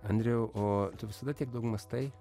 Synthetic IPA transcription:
ɐnʲd̪ʲɾʲɛʊʔoːt̪ʲʊʋʲɪsɐd̪ɐtʲiɛk̚d̪ɐʊɡmɐst̪ɐɪ

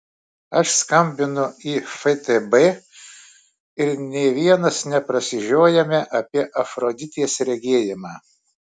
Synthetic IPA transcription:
ɐʃskɐmʲbʲɪnʊiːfɛt̪ɛbɛ | ɪɾnʲɛːʋʲiɛnɐsnʲɛpɾɐsʲɪʒʲoːjɛmʲɛʔɐpʲiɛʔɐfɾoːd̪ʲɪt̪ʲiɛsɾʲɛɡʲeːjɪmɑː

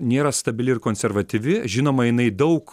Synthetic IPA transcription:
nʲeːɾɐst̪ɐbʲɪlʲɪɾkoːnʲsʲɛɾʋɐt̪ʲiʋʲɪʒʲɪnoːmɐjɪnɐɪd̪ɐʊk

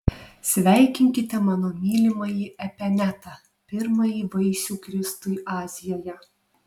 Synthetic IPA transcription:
sʲʋʲæˑɪkʲɪŋʲkʲɪt̪ʲɛmɑːnoːmʲiːlʲɪmɐjiʔɛpʲɛnʲæt̪ɑ | pʲɪɾmɐjiːʋɐɪsʲuːkɾʲɪst̪ʊjʔɑːzʲɪjoːjɛ

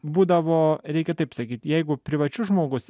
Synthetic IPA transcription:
buːd̪ɐʋoːɾʲɛɪkʲɛt̪ɐɪpsɐkʲiːt̪jɛɪɡʊpʲɾʲɪʋɐt͡ʃʲʊʒmoːɡʊs

